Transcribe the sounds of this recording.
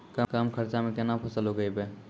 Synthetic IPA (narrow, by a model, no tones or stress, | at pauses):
kəkamkʰəɾt͡ʃamẽkenapʰəsəlɦoɡəjbe